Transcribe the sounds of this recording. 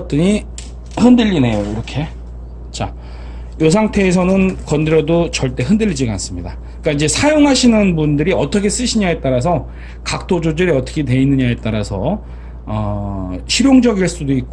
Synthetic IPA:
t͈ɯɲi | hɯndɯʎːine̞joiɾʌkʰe̞ | t͡ɕa | josʰaŋtʰe̞ːs̬ʰʌnɯnkʌndɯɾjʌdot͡ɕʌɭt͈e̞ɦɯndɯʎːid͡ʑiɡans͈ɯmɲida | k͈aid͡ʑe̞sʰajoŋɦaɕʰinɯnbundɯɾiʌt͈ʰʌkʰe̞s͈ɯɕʰiɲae̞t͈aɾas̬ʰʌ | kak̚t͈ʰod͡ʑod͡ʑɯɾiʌt͈ʌkʰe̞twe̞inːɯɲaet͈aɾasʰʌ̰ | ʌɕʰiɾjoŋd͡ʑʌɡiɭs͈udoik̚k͈o

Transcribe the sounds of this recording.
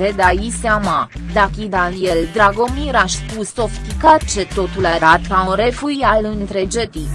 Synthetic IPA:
ed̪ajiseamad̪akid̪anjeld̪ɾaɡo̞miɾaʃspuso̞ft̪ikat͡ʃe̞t̪o̞t̪ulaɾat̪kaunre̞fuialɨnt̪ɾe̞d͡ʒet̪i

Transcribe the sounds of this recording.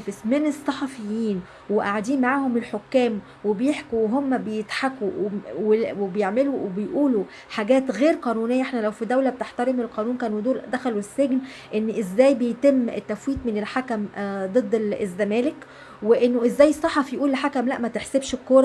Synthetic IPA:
fesmenesˤːɑħɑfejːiːn | weʔaʕad̪iːnmaʕaːhomelħokːæːm | webejeħkuweɦomːæbejet̪ħakuwewebejeʕmeluwebejʔuːlu | ħaɡæːt̪ɣeːɾqɑːnuːnejːæʔeħnælæwfid̪æwlæb̚t̪eħt̪æɾemelqɑːnuːnkæːnud̪oːɾd̪æxæluesːeɡn | ʔenːʔezːæːjbejt̪emːet̪ːæfwiːt̪menelħakæmd̪ˤɨd̪ˤːezːæmæːlek | weʔenːoʔezːæːjesˤːɑħɑfijʔuːleħakæmlæʔmæt̪eħsebʃekːoɾˤɑ

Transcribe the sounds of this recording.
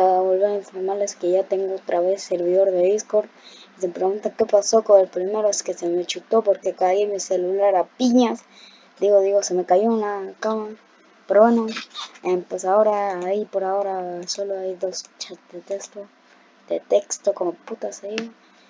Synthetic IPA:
aβolβeɾaiɱfoɾmaleskeʝat̪eŋɡoot̪ɾaβesseɾβiðo̞ɾðeðiskoɾisemepɾeɣunt̪ake̞pasokonelpɾimeɾoeskesemet͡ʃut̪opoɾkekaðaðiamiselulaɾapiɲas | d̪iɣoðiɣosemekaʝoenlakama | peɾoβwenoempwesaoɾaːipoɾaoɾasoloajðost͡ʃad̪et̪ekst̪o | d̪̥et̪ekst̪okomoput̪asai

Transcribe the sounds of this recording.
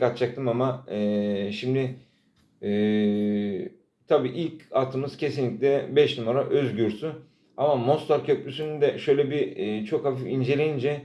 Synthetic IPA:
kat̪̚t͡ʃak̚t̪ʰɯmamaɯʃimd̪ɪː | t̪ʰabiːʔilʲcat̪ʰɯmɯz̥cʰe̞sinlʲicʲlʲɛbɛʃnumaɾaʔøzɟyɾsy | amamo̞st̪aɾcʰøplʲysynynd̪ɛʃø̞jlʲɛbiːt͡ʃʰo̞khafifind͡ʒelʲejind͡ʒɛ

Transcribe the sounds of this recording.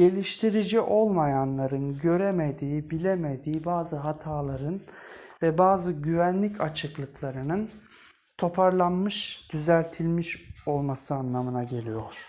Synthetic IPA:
ɟe̞lʲiʃt̪ʰiɾid͡ʒiʔo̞lˠmajanlˠaɾɯnɟø̞ɾemed̪iːibilʲeme̞d̪iːbaːzɯɦat̪ʰaːlˠaɾɯnvɛbaːzɯɟyvænlʲicʰat͡ʃʰɯklˠɯklˠaɾɯnɯn | t̪ʰo̞pʰaɾlˠanmɯʃd̪̥yzælʲt̪ʰilʲmiʃo̞lˠmasɯanlˠamɯnaɟe̞lʲijoɾ̥

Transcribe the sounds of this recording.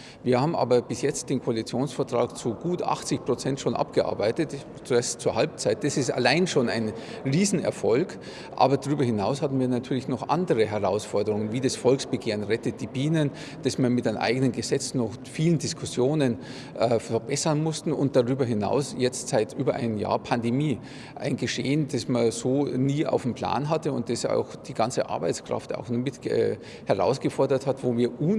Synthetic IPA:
viːɐhaːbmʔa̰ːbɐbɪsjɛt͡st̚d̥eːnkʰoalit͡sjoːnsfɛɐtʁ̥aːkt͡suɡuːtʔa̰χt͡sɪçpʁ̥ot͡sɛntʃoːnʔa̰pɡ̥əʔa̰ɐbaɪtət | t͡suɛstt͡suːɐhalp̚t͡saɪt̚d̥asɪsta̰laɪnʃoːna̰ɪn | ʁiːzn̩ɛ̰ɐfɔlk | ʔa̰ːbɐdaʁyːbɐhɪnaʊshatn̩viːɐnatʰyːɐlɪçnɔχʔa̰ndəʁəɦɛʁaʊsfɔɐdəʁʊŋənviːdasfɔlksb̥əɡeːʁənʁɛtət̚d̥iːbiːnən | d̥asmanmɪtanʔa̰ɪɡənənɡəzɛt͡snɔxfiːləndɪskʰʊsjoːnən | ʔɛːfɛɐbɛsɐnmʊstn̩ʊnt̚d̥aʁyːbɐɦɪna̰ʊsjɛt͡stz̥aɪtʔyːbɐʔa̰ɪnəmja̰ːɐpʰandemiː | ʔa̰ɪnɡəʃeːənd̥asmaz̥oːniːʔa̰ʊfm̩pl̥a̰ːnɦatəʊ̰nt̚d̥asa̰ʊxd̥iːɡant͡səʔa̰ɐba̰ɪt͡skʁ̥a̰fta̰ʊxnmɪtɛ̰ | hɛʁa̰ʊsɡ̥əfɔɐdɐthatvoːviːɐʔuːn

